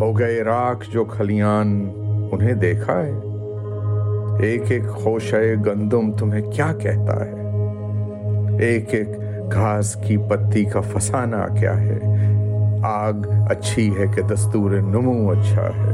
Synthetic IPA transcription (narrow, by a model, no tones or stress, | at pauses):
ɦoːɡɐeɾaːkʰd͡ʒoːkʰɐlijaːnʊnɦẽd̪eːkʰaɦɛː | eːkeːkxoːʃəeɡɐ̃nd̪ʊmt̪ʊmɦẽkjaːkɛɦt̪a̰ɦɛː | eːkeːk | ɡʱaːskipɐt̪ːikafɐsaːna̰kja̰ːɦɛ̰ | aːɡɐ̰tːʃʰiɦɛked̪ɐst̪uːɾenʊmũɐtːʃʰa̰ɦɛ̰ː